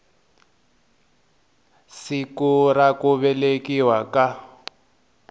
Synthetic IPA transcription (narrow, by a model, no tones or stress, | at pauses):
sikurakuβɛlekiwaka